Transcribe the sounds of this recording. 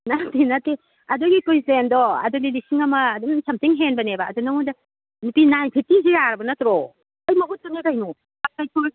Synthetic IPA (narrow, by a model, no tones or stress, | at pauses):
natinate | ɐdɔɡikujzendɔɐ̰dɔdilisiŋɐmɐːdunsʰɐmtiŋɦenbɐnebaːdunaŋudɐ | nupinajpʰitiz̬ijaɾɐbɐnatɾɔ | ɐjmɐɦut̚bɐnekajnu | akajkʰoj